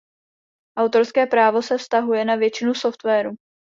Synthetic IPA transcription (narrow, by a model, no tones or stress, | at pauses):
ʔawt̪o̞ɾskɛːpɾaːvo̞sɛfst̪aɦujɛnavjɛt͡ʃɪnuso̞ft̪vɛːɾu